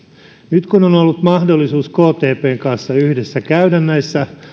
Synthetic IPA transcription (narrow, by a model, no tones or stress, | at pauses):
nyt̪kunonolːut̪mɑhdolːisuːskoːt̪eːpeːŋkɑnsːɑyhdesːækæydænːæjsːæ